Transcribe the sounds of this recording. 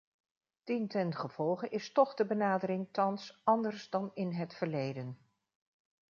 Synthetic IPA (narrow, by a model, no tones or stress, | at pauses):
tintɛnχəv̥ɔlˠχəʔɪstɔχdəbənaːdəɾɪŋtɑnsɑndəɹsdɑnɪnɦətfəɹlejdən